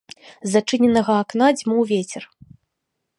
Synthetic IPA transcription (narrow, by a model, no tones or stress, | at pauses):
zat͡ʂɨnʲɛnɐɣɐːknad͡zʲmuwvʲet͡sʲɛr